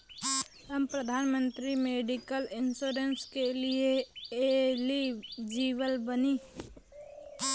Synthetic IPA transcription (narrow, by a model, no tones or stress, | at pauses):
ɦəmpɾəd̪ʱaːnmə̃nt̪ɾimeːɖikəlɪnsoːɾenskelieelid͡ʒiːʋəlbəniː